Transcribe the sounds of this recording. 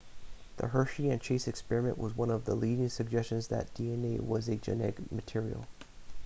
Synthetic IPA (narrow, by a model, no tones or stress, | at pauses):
ðə̰ɦɜ˞ʃiɨ̃nt͡ʃʰeɪsɨkspɛɹɨmɨ̰̃nʔwʔʌzwʌ̃nʌvðə̰liɾɪ̃ŋsɨɡ̚d͡ʒɛst͡ʃɨ̃nzðɨ̰t̚d̥iɛ̃neɪwʌzɨd͡ʒɨ̰nɛɡmɨtʰɪɹḭl̩ˠ